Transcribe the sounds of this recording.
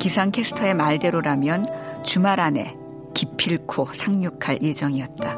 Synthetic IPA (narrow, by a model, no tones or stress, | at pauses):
kisʰaŋkʰe̞sʰɯ̥tʰʌe̞maɭde̞ɾoɾamjʌnt͡ɕumaɾane̞̰ | kipʰiɭkʰosʰaŋɲokʰaɭjʔed͡ʑʌŋiʌt̚t͈a